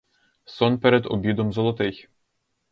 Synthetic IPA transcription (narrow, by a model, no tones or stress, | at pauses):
sɔnpɛɾɛd̪ɔ̰bʲid̪ɔmzɔlˠɔt̪ɪx